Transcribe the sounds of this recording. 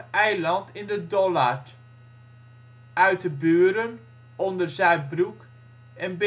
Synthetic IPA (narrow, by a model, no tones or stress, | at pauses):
ɛjlɑntɪndədɔlart | œɥtəbøːəɾən | ɔndərzɛj̚bruk | ɛnb